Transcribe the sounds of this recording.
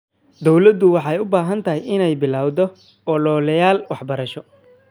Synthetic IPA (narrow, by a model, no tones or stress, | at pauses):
d̪ɔwlɐd̪ʊwɑħɑjʊbaːɦɐnt̪ʰɐɦɪjɪnɛjbɪlaːwd̪ɔ | ʔɔlɔlɐjaːlwɑħbɐɾɐʃɔ